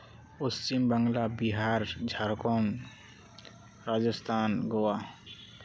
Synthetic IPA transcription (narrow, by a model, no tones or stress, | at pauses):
ʊst͡ʃimbəŋɡlabiɦaːɾd͡ʒʱaɾkon | ɾad͡ʒəst̪ʰaːnɡowa